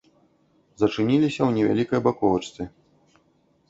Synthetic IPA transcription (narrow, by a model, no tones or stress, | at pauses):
zɐt͡ʂɨnʲilʲisʲɐwnʲɛvʲa̰lʲikɐjbakɔvɐt͡ʂt̪ʲi